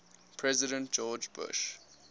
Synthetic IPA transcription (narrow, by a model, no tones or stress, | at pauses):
pʰɹɛzɪɾə̃nt̚d͡ʒɔːd͡ʒbʊ̰ʃ